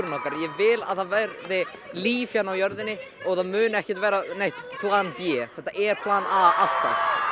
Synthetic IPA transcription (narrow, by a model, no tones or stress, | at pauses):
ɾnɔːkaɾjɛvɪla̰ðθaðvɛɾðɪliːfjanawjœɾðɪnːɪ | ɔɣθaðmʏːnʏɛhcɪ̥t̪vɛːɾanejht̪pʰlanpjɛːθɛht̪aʔɛɾkʰlanaal̥t̪a̰f